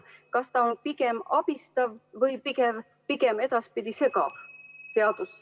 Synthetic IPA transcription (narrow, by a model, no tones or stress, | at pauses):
kɑst̪ɑonpike̞mɑb̥ist̪ɑvvɤjpikev | pike̞me̞d̪̥ɑspid̪iseɡɑse̞ɑd̪̥us